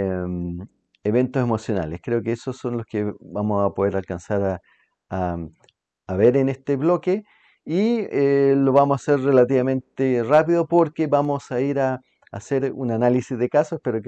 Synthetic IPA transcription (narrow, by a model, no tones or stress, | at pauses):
m | eβe̞nt̪ose̞mo̞sjo̞na̰leskɾe̞okeesosːo̞nloskebamosapo̞ðeɾalkansaɾa | aː | βeɾenest̪eβlo̞ke | ielo̞βamosaseɾre̞lat̪iβamẽ̞nt̪erapiðopoɾkeβamosaiɾaː | seɾṵnanalisizðekasoehpeɾok